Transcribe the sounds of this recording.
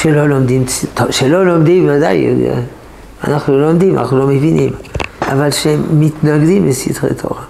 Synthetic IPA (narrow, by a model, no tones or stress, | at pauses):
ʃelo̞lomd̪imsit̪oʃelo̞lo̞md̪imvada̰j̰ | a̰naχnulomd̪ima̰naχnulo̞mevinḭmʔavalʃeːit̪naɡd̪imbesḭd̪ʁḛt̪ʰo̰ʁa